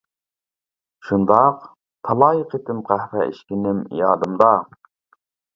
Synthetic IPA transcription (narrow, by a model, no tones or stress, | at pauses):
ʃund̪ɑq | t̪ʰɑlˠɑːjəqʰet̪ɪmqʰæhɾɛ̰ḭʃkʲinɪmḭjɑ̰ːd̪ɨmd̪ɑ